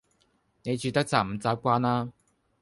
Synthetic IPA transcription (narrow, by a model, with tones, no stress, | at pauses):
ne˨˧jt͡ʃyː˨˧t̪ɐ˥k̚t͡saː˨˧˩m̩˨˩t͡saː˨˧p̚kʷaː˧˥naː˥